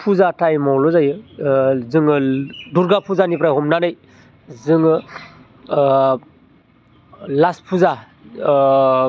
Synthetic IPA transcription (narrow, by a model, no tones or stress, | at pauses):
pʰuzatʰajmawlɔzajɯ | zɯŋɯduɾɡapʰuzanipɾajɦɔmnanɯj | zɯŋ | laspʰuza